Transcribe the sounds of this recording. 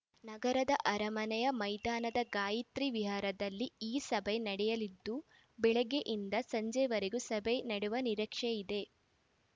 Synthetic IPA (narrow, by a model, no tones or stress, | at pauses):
nɐɡɐɾɐd̪ɐʔɐɾɐmɐnɛjɐmɐjd̪aːnɐd̪ɐɡaːjit̪ɾiʋiɦaːɾɐd̪ɐlːiiːsɐbʱejnɐɽɛjɐlid̪ːu | bɛɭɛɡeʔind̪ɐsɐɲd͡ʒɐʋɐɾeɡusɐbenɐɽuʋɐniɾɐkʂeid̪e̞